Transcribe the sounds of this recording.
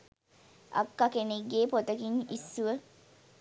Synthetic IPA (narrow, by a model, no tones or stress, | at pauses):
ʔa̰kːakeniɡeːpot̪əkinisːuʋə